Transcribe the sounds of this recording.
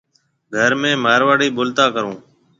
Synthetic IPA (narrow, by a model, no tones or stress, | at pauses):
ɡʱəɾmẽːmaːɾʋaːɽiːɓʊlt̪aːkəɾõː